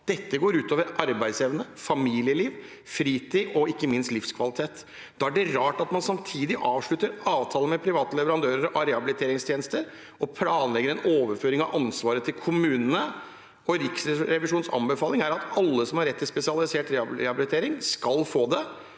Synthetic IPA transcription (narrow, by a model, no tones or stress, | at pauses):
d̪̥ɛt̪ːəɡoːɾʉːt̪oːʋəɾɑɾbæɪd̪sjeːʋənəfɑmiːlɪəliːʋ | fɾiːt̪ʰiːɔɪkːəmɪnst̪lɪfskʰʋɑlɪt̪ʰeːt̪ | d̪ɑːæɖɛɾɑːʈɑt̪mɑnsɑmt̪ʰiːd̪ɪʔɑːʋʂɭʉt̪ːəɾɑːʋt̪ʰɑːləmɛpʰɾɪʋɑːt̪əlɛʋəɾɑnd̪øːɾəɾɔɾɛhɑbɪlɪt̪ʰeːɾɪŋst̪ʰjeːnəst̪əɾ | ɔpʰlɑːnlɛɡːəɾɛnoːʋəɾføːɾɪŋɑʋʔɑnsʋɑːɾət̪ʰɪlkʰʊmʉːnənə | ɔɾɪksɾɛʋɪʂuːnsɑ̰mbəfɑːlɪŋæɾɑt̪ɑlːəsɔmhɑɾːɛt̪ːɪspɛsɪɑlɪseːʈɾɛɑɛhɑbɪlɪt̪ʰeːɾɪŋskɑlfoːd̪ɛ